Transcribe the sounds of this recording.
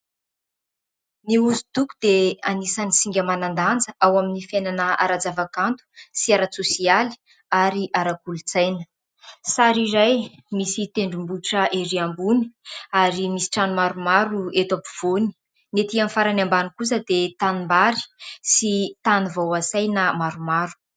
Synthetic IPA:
niuzut̪ukud̪eanisanisiŋɡʲəmanand̪and͡zəʔawaminifenanəa̰ɾad͡zavakant̪u̥siaɾat͡susiali̥ | aɾiʔaɾakulut͡sajnə̥ | saɾiɾajmisit̪eɳɖ͡ʐumbuʈ͡ʂəʔeɾiambuni̥aɾimisi̥ʈ͡ʂanumaɾumaɾuet̪api̥v̥oni̥ | net̪iamifaɾanambanikus̬əd̪et̪animbaɾi̥sit̪anivawasajnamaɾumaɾu̥

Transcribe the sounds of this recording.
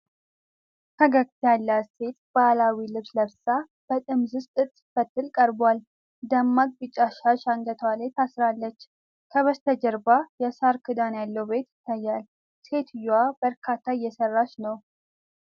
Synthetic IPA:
hʰəɡəɡt̪ʰjalːase̞t̪b̥alawilɨβsləβsa | b̥ət̪ʼɨmzɨst̪ʼɨt̪ʼːɨ̥fət̪ːɨlkʼəɾbwal | d̪əmːaɡ̚ʼbɨt͡ʃʼːaʃaʃaŋɡət̪ʰwalet̪ʰasɾalːət͡ʃː | kʰəβəst̪ʰəd͡ʒəɾbajɛsaɾkʰɨd̪anjalːəwbe̞t̪jɪt̪ʰːajːal | se̞t̪ʰjːwabəɾkʰat̪ʰːaɪjːɛsərːaʃnəw

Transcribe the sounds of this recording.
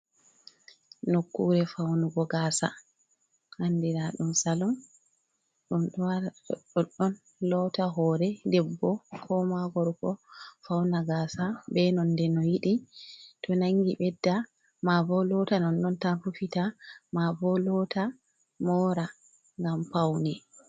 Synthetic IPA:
nokːuɾɛfawnuɡɔɡaːsa̰ | handiɾaɗumsalɔm | ɗumɗwaɔ̰ɗɔɗːɔn | lɔtaɦɔːɾɛdɛbːɔkʰɔmaɡɔɾkɔfawnaɡaːsabɛnɔndɛnɔjiɗitʰɔnaŋɡiɓɛdːa | mabɔlɔtanɔnːɔntanfufitamavɔlɔtʰa | mɔːɾa | ŋɡampawnɛ

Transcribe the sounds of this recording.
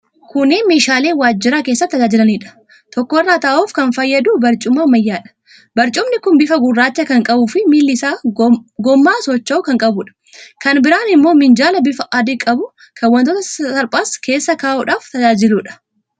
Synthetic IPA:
kʊneːmeːʃaːle̞ːwaːd͡ʒːɪɾɐke̞ːsːɐt̪ːɐd͡ʒaːd͡ʒɪlɐniːᶑɐ̥ | t̪ɔkːɔɪrːaːt̪ɐʔuːfkɐnfɐjːɐd̪uːbɐɾt͡ʃʼʊmɐmɐjːaːᶑɐ̥ | bɐɾt͡ʃʼʊmnɪkʊnbɪfɐɡʊrːaːt͡ʃːɐkɐŋkʼɐbuːfɪmiːlːɪsaːɡɔmːaːsɔt͡ʃːɐʊkɐŋkʼɐbʊᶑɐ̥ | kɐnbɪɾaːnɪmːo̞ːmɪnd͡ʒaːlɐbɪfɐʔaːd̪ɪkʼɐbʊ | kʰɐwːɐnt̪ot̪ɐɐɾpʼaːskʰe̞ːsːɐkaːʔuːᶑaːft̪ɐd͡ʒaːd͡ʒɪluːᶑɐ̥

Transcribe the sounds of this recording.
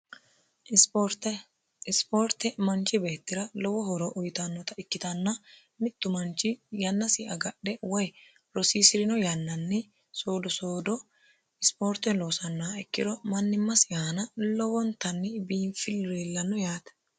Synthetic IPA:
poɾt̪ | ɪspoːɾt̪ɛmɐnt͡ʃːɪbe̞ːt̪ːɪɾɐlɔwɔhɔɾɔʔʊjt̪ɐnːɔt̪ɐɪkːɪt̪ɐnːɐ | mɪt̪ːʊmɐnt͡ʃːɪjɐnːɐsɪʔɐɡɐɗːɛwɔj | ɾɔsiːsɪɾɪnɔjɐnːɐnːɛ | so̞ːd̪ɔsoːd̪ɔ | ɪspo̞ːɾt̪ːɛloːsɐnːaɛkːɪd̪ɔmɐnːɪmːɐsɪanɐlɔwɔnt̪ːɐnːɪbiːnfɪlɾelːɐnːɔjaːt̪ɐ̥

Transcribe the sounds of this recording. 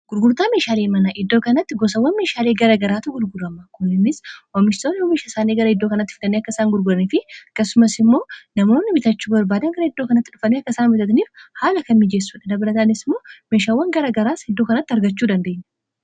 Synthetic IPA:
ɡ̥ʊɾɡʊɾt̪aːme̞ːʃaːleːmɐnɐʔɪd̪ːo̞ːkɐnɐt̪ːɪɡɔsɐwːɐnme̞ːʃaːleːɡɐɾɐɡɐɾaːt̪ʊɡʊɾɡʊɾɐmɐkʊnːɪnːɪswɐmːɪʃsoːnwɔmɪʃasaːneɡɐɾɐɪd̪ːo̞ːkɐnɐt̪ːɪ̥fɪlɐnːeːɐkːɐɪsaːŋɡʊɾɡʊɾɐniːfɪɐkːɐsːʊmɐsɪmːo̞ːnɐmo̞ːnːɪbɪt̪ɐt͡ʃːuːbɐɾbaːd̪ɐŋɡɐɾɐɪd̪ːo̞ːkɐnɐt̪ːɪᶑʊfɐneːɐkːɐsaːnbɪt̪ɐt̪niːfhaːlɐkɐnːɪd͡ʒeːs̬ːuːᶑɐd̪ɐbɪɾɐt̪aːnɪsɪmːo̞ːme̞ːʃaːwːɐŋɡɐɾɐɡɐɾaːshɛd̪ːo̞ːkɐnɐt̪ːɐɾɡɐt͡ʃːuːd̪ɐnd̪e̞ːɲːɛ

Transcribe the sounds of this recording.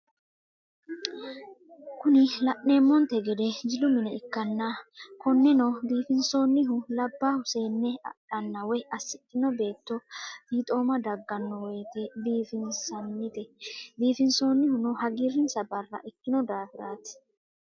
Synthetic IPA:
kʊnɪlɐʔneːmːɔnt̪ɛɡɛd̪ɛd͡ʒɪlʊmɪnɛɪkːɐnːakɔnːɛnɔbiːfɪnso̞ːnːɪɦʊlɐbːaːhʊse̞ːnːɛɐ̰ɗɐnːɐwɛʔɐsːɪt̪ːɪnɔbe̞ːt̪ːɔt̪iːt̪ʼo̞ːmɐd̪ɐɡːɐnːɔweːt̪ɛbiːfɪnsɐnːɪt̪ɛbiːfɪnso̞ːnːɪhʊnʊhɐɡɪrɪnsɐbɐrːɐ̰ʔɛkːɪnɔd̪aːfɪɾaːt̪ɪ̥

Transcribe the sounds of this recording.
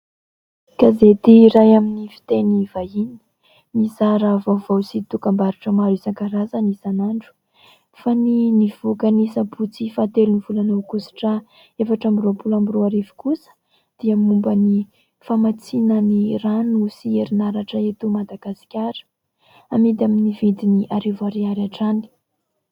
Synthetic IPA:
kazet̪iɾajaminifi̥t̪enivaini̥ | mizaɾavovawsit̪ukambaɾuʈ͡ʂəmaɾisaŋkaɾazənisanaɳɖ͡ʐu̥ | faniniv̥okanisabut͡sifat̪eluniv̥ulanawkusi̥ʈ͡ʂə | efaʈ͡ʂambiɾopulambiɾoaɾivu̥kusə̥ | d̪̥iamumbəni | famat͡sinəniranusieɾinaɾaʈ͡ʂəet̪umad̪aɡ̥asi̥kʲaɾə̥ | amid̪aminivid̪iniʔaɾivaɾiaɾaʈ͡ʂani̥

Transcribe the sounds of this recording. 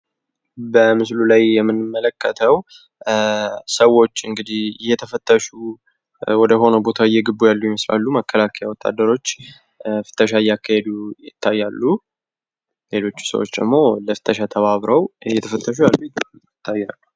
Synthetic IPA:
bəmɨs̬lulajjɛmːɨnːɨmːələkʰːət̪ʰəw | səwo̞t͡ʃːɨŋɡɨd̪ihjːɛt̪ʰəfət̪ʼːəʃu | wɔd̪əɦo̞nəbo̞t̪ʰaɪjːɛɡɨbːujalːujɪməsla̰lːuməkʰːəlakʰəjawɔt̪ʼːa̰d̪ːəɾo̞t͡ʃː | fɨ̥t̪ʼːəʃ̬ajːakːahed̪ujɪt̪ʰːajːalːu | le̞lo̞t͡ʃːu̥sə̰wot͡ʃːd̪ə̰ɡmo̞ləfɨ̥t̪ʼːəʃat̪ʰəβaβɾəwjɛt̪ʰəfət̪ʰʼːəʃ̬ujalːujt̪ːɪt̪ʰːajːalːu

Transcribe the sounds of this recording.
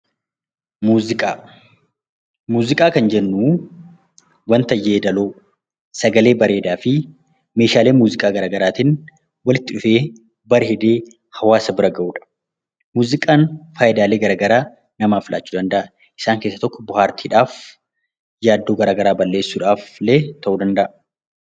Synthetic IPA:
muːzɪkʼaː | muːzɪkʼaːkɐnd͡ʒɛnːuː | wɐnt̪ɐjːeːd̪ɐloː | sɐɡɐle̞ːbɐɾe̞ːd̪aːfɪ | me̞ːʃaːle̞ːmuːzɪkʼaːɡɐɾaːɡɐɾaːt̪ɪn | wɐlɪt̪ːɪᶑʊfe̞ː | bɐɾɛd̪e̞ː | hɐwaːsɐbɪɾɐɡɐʔuːᶑɐ̥ | muːzɪkʼaːnfaːʔɪd̪aːle̞ːɡɐɾaːɡɐɾaː | nɐmaːfɪlʔa̰ːt͡ʃːuːd̪ɐnd̪ɐʔɐ | ʔɪ̥saːŋkeːsːɐt̪ɔkːɔbʊhaːɾt̪ʰiːᶑaːf | jaːd̪ːo̞ːɡɐɾaːɡɐɾaːbɐlːe̞ːsːuːᶑaːfleːt̪ɐʔuːd̪ɐnd̪ɐʔɐ

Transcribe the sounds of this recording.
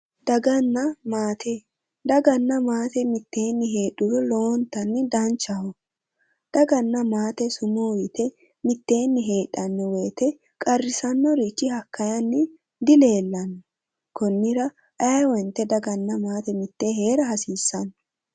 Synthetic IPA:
d̪ɐɡɐnːɐmaːt̪ʰe | d̪ɐɡɐnːɐmaːt̪ɛmɪt̪ːe̞ːnːɪɦeːɗʊɾɔloːnt̪ːɐnːɪd̪ɐnt͡ʃːɐhɔ | d̪̥ɐɡɐnːɐmaːt̪ɛsʊmowɪt̪ɛ | mɪt̪ːe̞ːnːɪɦe̞ːᶑɐnːɔweːt̪ɛ | kʼɐrːɪsɐnːɔɾit͡ʃːɪhɐkːɐjɐnːɪ | d̪ɪle̞ːlːɐnːɔ | kɔnːɪɾɐ | ʔɐjwɔnt̪ːɛd̪ɐɡɐnːɐmaːt̪ɛmɪt̪ːeːhe̞ːɾɐhɐsiːsːɐn

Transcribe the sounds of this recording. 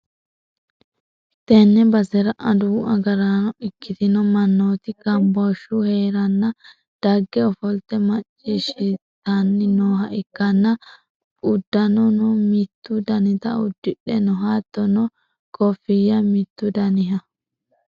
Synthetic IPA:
t̪ɛnːɛbɐsɛɾɐʔɐd̪uːʔɐɡɐɾanɔʔɪkːɪt̪ɪnɔmɐnːoːt̪ɪɡɐmbɔʃuheːɾɐnːɐ | d̪̥ɐɡːɛɔfɔlt̪ːɛmɐt͡ʃʼːiʃit̪ːanːɪnoːhɐʔɪkːɐnːɐ | ʊd̪ːɐnɔnɔmɪt̪ːʊd̪ɐnɪt̪ɐʊ̰d̪ːɪɗɛnɔɦaːt̪ːɔnɔ | kɔfɪjɐmɪt̪ːʊd̪ɐnɪɦɐ

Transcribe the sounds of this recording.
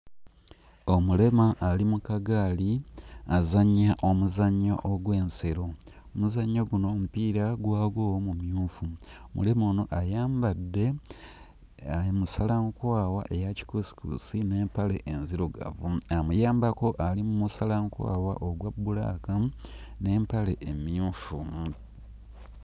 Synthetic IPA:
omule̞maʔːlimukaɡaːliazaɲaʔomuzaɲːaʔoɡwe̞ːnse̞ɾo̞ | omuzaɲːoɡuno̞mupiːɾaɡwaːɡwoːwomumjuːfuomṵle̞monoʔajaːmbadːe̞ | aimusalaŋkwaːwaʔejaci̥kosi̥kṵsine̞ːmpaleʔenziɾoɡa̰vuamujaːmbako̞ʔalimumusalaŋkwa̰ːwa̰ʔoɡwabːula̰ːkane̞ːmpale̞ʔːmjuːfu

